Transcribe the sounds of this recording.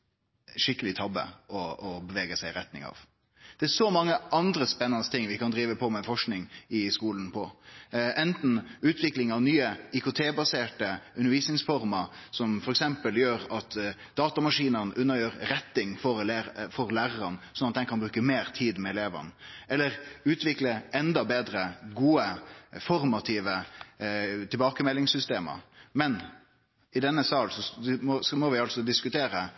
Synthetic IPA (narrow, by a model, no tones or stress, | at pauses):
ʂɪkːəlɪt̪ʰɑbə̰ɔɔbɛʋeːɡəsæɪɾɛt̪nɪ̰ŋɑ̰ʋ | d̪̥ɛæʂɔmɑŋːəʔɑnd̪ɾəspɛnːɑnəst̪ʰɪŋːʋɪkɑnd̪ɾiːʋəpʰɔmɛfɔʂknɪŋɪskuːlənpʰɔʔɛnt̪n̩ʉːt̪ʰʋɪklɪŋɑʋnyːəɪkʊt̪ʰeːbɑseːʈəʉnːəɾʋiːsnɪŋsfɔɾmɑsɔmfɔɾɛksɛmpəljøːɾɑt̪ | d̪̥ɑːt̪ɑmɑʂiːnənʔʉnːəɾjøːɾɾɛt̪ːɪŋfɔɾlfɔɾlæːɾəɾɑnsɔnɑt̪̚d̪ɛnkʰɑnbɾʉːkəmeːɾt̪ʰiːd̪mɛɛleːʋə̰nɛlːəɾʉːt̪ʰʋɪkləɛnd̪ɑbeːd̪ɾəɡuːəfɔɾmɑt̪ʰɪːʋə | t̪ʰɪlbɑːkəmɛlːɪŋsʏst̪eːmə̰mɛn | ɪd̪ɛnːəsɑːlsɔɔsmɔʋɪɑlsɔd̪ɪskʉt̪ʰeːɾə